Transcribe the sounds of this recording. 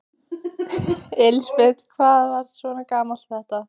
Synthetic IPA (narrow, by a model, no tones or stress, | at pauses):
elspet̪kʰvaːðvaɾ̥svɔːnakaːmalt̪θɛht̪a